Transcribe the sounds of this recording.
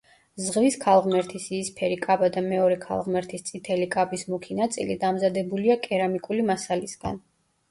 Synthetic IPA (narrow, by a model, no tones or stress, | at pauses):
zʁviskʰalˠʁmɛɾt̪ʰisiːspʰɛɾikʼabad̪amɛɔɾɛkʰa̰lˠʁmɛɾt̪ʰist̪sʼit̪ʰɛlikʼabismukʰinat̪sʼḭlid̪amzad̪ɛbuliakʼɛɾamikʼulimasalisɡ̥a̰n